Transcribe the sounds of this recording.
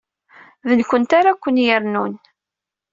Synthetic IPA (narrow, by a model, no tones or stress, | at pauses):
ðənkʷənt̪aɾakʷːənjəɾnun